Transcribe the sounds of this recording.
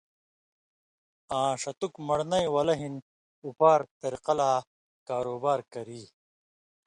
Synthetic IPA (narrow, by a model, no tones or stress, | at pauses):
ãːʂɐt̪ukmɐɽnɐjwɐlɐɦin | upaːɾt̪eɾqɐlaː | kaːɾoːbaːɾkɐɾiː